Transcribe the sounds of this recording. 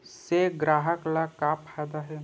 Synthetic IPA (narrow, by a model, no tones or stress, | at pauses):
seɡɾaːɦəklakapʰaːd̪aɦɛ